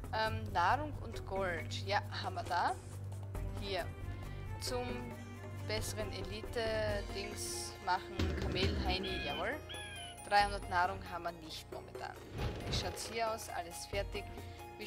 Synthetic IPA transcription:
ʔɛmnaːʁʊŋʊ̰ntɡ̥ɔltjaːhaːbm̩viɐdaː | hiːɐ | t͡sʊm | b̥ɛsəʁəneliːtəd̥ɪŋsmaχn̩kʰameːlɦaɪnijavɔl | d̥ʁaɪhʊndɐtnaːʁʊŋɦaːbmiɐnɪçtmɔ̰mɛ̰ntʰa̰ːnviːʃaʊtshiːɐaʊsʔa̰ləsfɛɐtɪç | viː

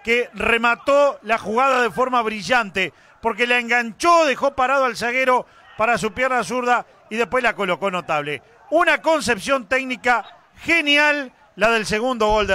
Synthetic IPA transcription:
keremat̪olaxuɣaðaðefo̞ɾmaβɾiʒant̪e | po̞ɾk̬elaeŋɡant͡ʃoðexo̞paɾað̞oals̬aɣeɾo̞ | paɾas̬upjeɾnas̬uɾða | iðehpwe̞slako̞lo̞ko̞not̪aβle | unako̞ns̬epsjo̞nt̪eɡnika | xenjalː | aðe̞ls̬e̞ɣund̪o̞ɣo̞ld̪

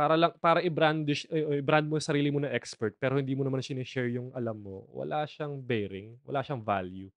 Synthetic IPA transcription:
paːɾɐlɐŋpaːɾɐʔɪbɾand̪ʃɛʔoʔɪbɾand̪̚mojʊŋsɐɾiːlɪmonɐʔɛkspɛɹt̪̚pɛːɾohɪnd̪iːmonɐmansɪnɛʃɛɹjʊŋʔɐlamːo̰wɐ̰laʃaŋbɛjɾɪŋwɐ̰laːʃɐŋva̰lju

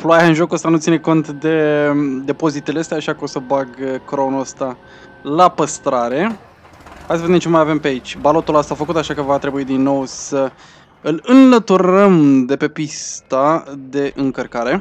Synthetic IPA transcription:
ploajaɨnʒo̞kuəst̪anut̪sine̞ko̞nt̪d̪e̞d̪e̞po̞zit̪e̞leəst̪eaːʃiakəosəbaɡkɾo̞nuəst̪a | lapəst̪ɾaɾe̞ | haj̪səvd̪emt͡ʃemajave̞mpeait͡ʃʲbalot̪uləst̪aːfəkut̪aʃakəvat̪ɾe̞buid̪inːo̞wsə | ɨlɨnlət̪uɾəmd̪e̞pe̞pist̪ad̪e̞ʔɨŋkərkaɾe̞

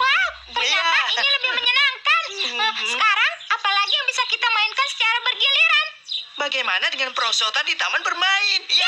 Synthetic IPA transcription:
wa | ərɲaainiləbɪhməɲənaŋkansəkaɾaŋapalaɡijaŋbisakit̪amaɪnkansə̥t͡ʃaɾabərɡiliɾan | baɡajmanadəŋanpəɾosot̪andit̪amanbərmaɪn

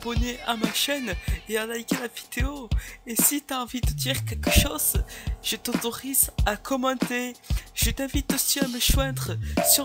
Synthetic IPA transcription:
bɔneʔamaʃɛneɑ̃lajkʲãlavid̪eoesit̪yaɑ̃vid̪əd̪iʁkʲɛlkəʃozʒ̥ət̪ot̪ɔʁizakʰɔmɑ̃t̪eʒ̥ət̪ɛ̃vit̪usiaməʃwɛ̃d̪ʁəsy

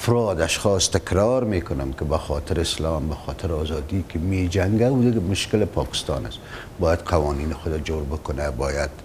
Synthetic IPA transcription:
afɾɑd̪aʃxɔst̪ɪkɾɑɾmekʊnamkɪbaxɔt̪ʰɪɾɪslɑmbaxɔːt̪ʰɪɾɑzɑd̪ikɪmed͡ʒaŋɡaud̪ɪɡmʊʃkɪlɪpʰɒːkɪ̥st̪ɑ̰ːna̰s | bɑːjad̪qʰawɔniːnɪxʊd̪ad͡ʒoɾbʊkʊnabɔːjad̪

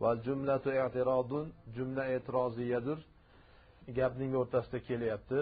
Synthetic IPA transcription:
vald͡ʒʊmlat̪ʰʊeʕt̪ɪɾɒd̪ʊnd͡ʒʊmlaet̪ʰɪɾɒzɪjad̪ʊɾ | ɡʲapnɪŋoɾt̪ʰasɪd̪akʲʰe̞lajap̚t̪ʰɪ

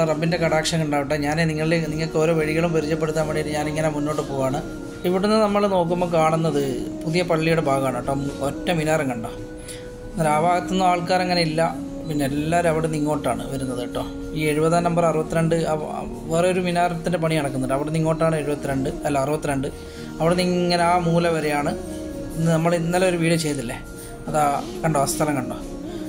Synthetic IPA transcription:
rɐbːinde̞kɐɽaːkʂɐŋuɳɖaːʋiʈːɐːɲaːneniŋːɐɭilniŋːɐɭkːeoːɾo̞ːʋeɻiɣɐɭumpɐɾit͡ɕːɐp̬ːeɽut̪ːaːnmbɐɳijlːɨɲaːniŋːɐnemunːo̞ːʈːɨpoːɣaːɳɨ | iʋiɽunːɨnɐmːɐɭno̞ːk̬ːumːokaːɳunːɐðɨpuðijɐpɐɭːijuɽebʱaːɣɐaːɳɐʈːootːɐmʋinaːɾɐŋkɐɳɖoː | nɾaːʋaːɣɐt̪ːunːɨaːɭkaːɾeŋːɐneilːɐ | pinːeelːaːɾumɐʋiɽeniŋːo̞ːʈːaːɳɨ̰ʋɐɾunːɐðeʈːoː | iːeɻubɐðaːnɐmbɐrɐrubɐt̪ːɨɾeɳɖɨ | ʋerɐoɾuminaːɾɐt̪ːinde̞pɐɳiɐɽɐk̬ːunːɐʈːɐʋiɽeniŋːo̞ːʈːaːɳɨe̞ɻubɐt̪ːɨɾeɳɖɨɐlːaːɐrubɐt̪ːɨɾeɳɖɨ | ɐʋiɽeniːɐneaːmuːlɐʋɐɾe̞jaːɳɨ | inːɨnɐmːɐɭinːɐlːɐo̞ɾuʋiːɽɨt͡ɕe̞jt̪ːilːe | ɐðaːkɐɳɖoːst̪ʰɐlɐŋkɐɳɖo̞ː

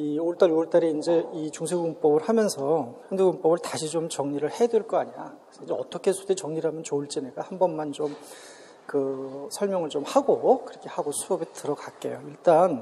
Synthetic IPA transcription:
ioɯɭt͈aɾioɯɭt͈aɾiind͡ʑe̞it͡ɕuŋsʰeɡuɯŋp͈ʌbɯɭhamjʌnsʰʌjʌndeɡɯŋp͈ʌbɯɭtaɕʰit͡ɕomt͡ɕʌŋɲiɾɯɭhe̞dweɭk͈ʌaɲiɲa̰kesʰʌind͡ʑeʌt͈ʌkʰe̞sʰudet͡ɕʌŋɲiɾɯɭhamjʌnt͡ɕouɭt͡ɕ͈eneɡ͈ahambʌnmant͡ɕom | kɯsʰʌɭmjʌŋɯɭt͡ɕomhaɡokɯɾʌkʰe̞haɡosʰuʌbitɯɾʌɡak͈e̞̰joiɭt͈an

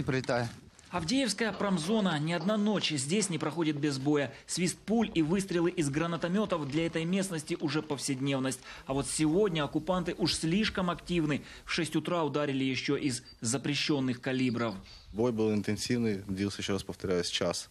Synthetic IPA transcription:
ɪpɾəlʲɪt̪ajɪ | ɐvdʲejɪfskəjəpɾɐmzo̞nənʲɪɐd̪nano̞t͡ɕzʲdʲesʲnʲɪpɾɐxo̞dʲɪt̪̚bʲɪzbo̞jəsʲvʲist̪̚pulʲivɨst̪ɾʲɪlˠɨʔɪzɡɾənət̪ɐmʲo̞t̪əvd̪lʲɐɛt̪əjmʲe̞snəsʲtʲɪʔʊʐɛpəfsʲɪdʲnʲe̞vnəsʲtʲɐvo̞t̪sʲɪvo̞dʲnʲəɐkʊpant̪ɨʔuʂsʲlʲiʂkəmɐktʲivnɨ | fʂɛsʲtʲʊt̪ɾaʊd̪aɾʲɪlʲɪjɪɕːoʔɪzː | əpɾʲɪɕːo̞nːɨxkɐlʲibɾəf | bo̞jbɨlˠɪnt̪ɨnsʲivnɨjdʲilˠsʲəjɪɕːoɾaspə̥ft̪ɐɾʲæjəsʲt͡ɕas

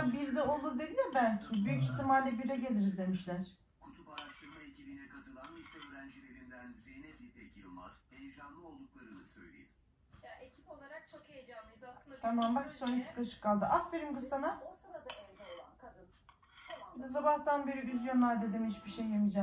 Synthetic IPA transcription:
biɾd̪ɛo̞lˠuɾd̪e̞d̪ilʲɛbælʲcʰibyjyciçt̪ʰːimalʲlːʲɛbiɾɛɟe̞lʲiɾizd̪e̞miʃlʲæɾ̥ | kʰut̪ʰupaɾaʃt̪ʰɯɾmaecʰibinɛkʰat̪ʰɯlˠanisɛøːɾænd͡ʒilʲe̞ɾind̪ænzejnɛt̪lʲipɛcʰiɾolˠma̰z̥ejd͡ʒanlˠɯo̞lˠd̪uklˠaɾɯnɯsø̞̰jlʲejiz | jaʔecʰipolˠaɾak̚t͡ʃʰokejed͡ʒamlˠɯjzt̪ʰamambaksonut̪ʰɯ̥klˠaʃɯ̥kʰːalˠd̪ɯʔaffeɾʲimɡɯsanasonad̪aeld̪ɛolˠank̪ɯ | d̪as̬abaht̪anbe̞ɾiyzjonːˠaɾd̪ed̪imhit͡ʃbiʃejːamɯd͡ʒa

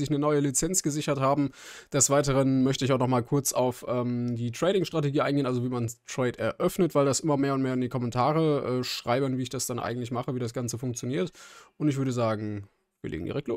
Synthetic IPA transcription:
zɪçnənɔʏəlit͡sɛnt͡sɡ̥əzɪçɐthaːbm̩d̥ɛsv̥aɪtəʁ̞ənmœçtəɪçaʊnɔχmaːlkʰʊɐt͡saʊfʔɛːmdiːtʁ̥ɛɪɾɪŋʃtʁ̥ateɡiːʔa̰ɪnɡeːnʔalzoviːmantʁ̥ɛɪtɛɐʔœfnətv̥aɪldasʔɪmɐmeːɐʊntmeːɐɪndiːkʰɔmɛntʰaːʁəʔɛːʃʁ̥aɪbənviːɪçd̥asd̥anʔa̰ɪɡŋ̩tlɪçmaχəviːdasɡ̥ant͡səfʊŋk̚t͡sjoniːɐtʔʊntɪçv̥ʏɐɾəzaːɡŋ̩ | viːɐlḛːŋ̩dḭːʁɛklo

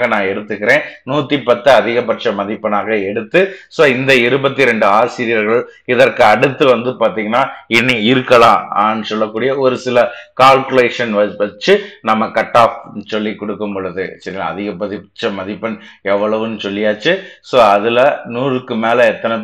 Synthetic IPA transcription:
ɣɐnãːɛɽɯt̪ːɯkːɪɾẽːnuːt̪ːipɐt̪ːɯɐðɪɣɐpːɐʈt͡ʃɐmɐðɪpːɐnaːɣɐɛɽɯt̪ːɯsoːɪnd̪ɐɪɾɯbɐt̪ːiɾɛɳɖɯaːsɪɾɪjɐɾɣɐɭɪðɐrkɯɐɽɯt̪ːɯʋɐnd̪ɯpaːɾt̪iːŋɡɐnːaːɪnːiɪɾɯkːɐɭãːnːɯsɔlːɐkːuːɽɪjɐɔɾɯsɪlɐkaːlkɯleːʂɐnʋɐʋɐt͡ʃːɯnɐmːɐkɐʈːaːfnsɔlːikɔɽɯkːɯmpɔɻɯðɯsɐɾɪna̰ɐðɪɣɐpːɐðɪʈt͡ʃɐmɐðɪpːɐnɛʋːɐɭɐʋɯnːsɔlːɪjaːt͡ʃːɯsoːɐðɪlɐnuːrɯkːɯmeːlɐɛt̪ːɐnɐ

